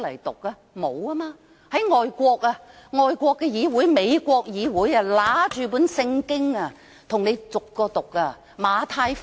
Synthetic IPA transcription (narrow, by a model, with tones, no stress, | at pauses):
lɐ˨˩jt̪ʊ˨k̚aː˧ | mo˨˧waː˥maː˧ | hɐ˨˥jŋɔː˨jkʷɔː˧k̚aː˧ | ŋɔː˨˧jkʷɔː˧kːɛː˧jiː˨˧wu˨˥jme˨˧jkʷɔː˧k̚jiː˨˧wuː˨˥jɐː˧laː˨˥t͡ʃyː˨p̬uː˨˥nsɪ˧ŋkɪ˥ŋa˧ | t̪ʰʊ˨˩ŋne˨˧jt͡sʊ˨kːɔː˧t̪ʊ˨k̚a˧ | maː˨˧t̪ʰaː˧j